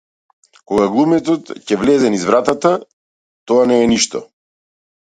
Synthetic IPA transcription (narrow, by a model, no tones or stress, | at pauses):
koɡaɡlˠumɛt̪ɔt̪cɛvlɛzɛnizvɾat̪at̪a | t̪ɔanɛːniʃt̪ɔ̰